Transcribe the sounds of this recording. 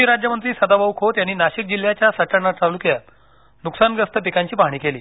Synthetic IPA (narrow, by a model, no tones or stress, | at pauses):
iɾad͡ʑjəmənt̪ɾiːsəd̪abaʋkʰot̪janːiːnaɕik̚d͡ʑil̤jat͡ɕjasəʈəɽɳat͡saʋlukjat̪ | nuksanɡəst̪əpikaɲt͡ɕiːpaɦɽ̃iːkeliː